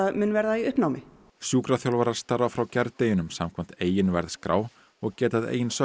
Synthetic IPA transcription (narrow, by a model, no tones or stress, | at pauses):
ðmʏnvɛɾðaiʏhpnawmɪ | sjuːkɾaθjawlvaɾaɾ̥st̪aɾvafɾawcɛɾt̪ejɪnʏmsamkʰvɛm̥t̪eːjɪnvɛɾðskɾa̰ːw | ɔɣcɛːt̪aðḛːjɪnsœ